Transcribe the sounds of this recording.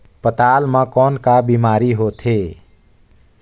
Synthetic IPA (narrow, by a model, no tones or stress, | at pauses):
pət̪aːlmãkɔːnkabiːmaːɾiɦot̪ʰeː